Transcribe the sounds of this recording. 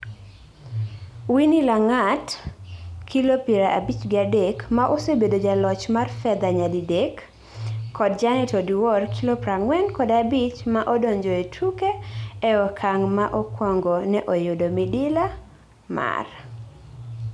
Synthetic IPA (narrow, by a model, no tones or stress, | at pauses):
winilaŋat | kʰilopiɾaʔabit͡ʃɡɪadekmaʔosebedod͡ʒalɔt͡ʃmarfɛd̪aɲadidekː | ɔd̚d͡ʒanɪtɔdiwɔrkʰilopɾaŋwɛnkɔdabit͡ʃmaʔɔdɔɲd͡ʒoetʰukeɛɔkʰaŋmaʔɔkwɔŋɡɔnɛʔojodomidɪla | ma̰r